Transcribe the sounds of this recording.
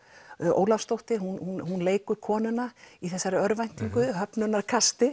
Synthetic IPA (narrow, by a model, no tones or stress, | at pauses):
o̰ːwlafst̪owht̪ɪɦunhunhunleːjkʏɾkʰɔːnʏnaiθɛsːaɾɪœɾvajn̥t̪iŋkʏɦœpnʏnːaɾkʰast̪ɪ